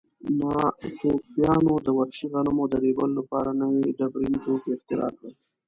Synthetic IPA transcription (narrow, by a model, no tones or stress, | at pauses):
mɑt̪ofjɑnod̪əwaɾʃiɣanamod̪əɾebəlolapɑɾanəwiɖabɾint̪okɪxt̪ɪɾɑ̰kla